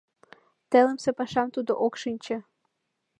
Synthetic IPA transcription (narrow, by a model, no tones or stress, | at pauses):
t̪ĕləmsepɑʃɑmt̪ud̪oʔokʃɨnʲt͡ɕĕ